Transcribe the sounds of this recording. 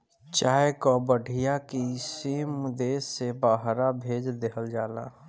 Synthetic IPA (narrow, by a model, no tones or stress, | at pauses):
t͡ʃaːekɔbəɖʱijakisiːmd̪eːsːebaːɦɾabʱeːd͡ʒd̪eɦəld͡ʒaːla̰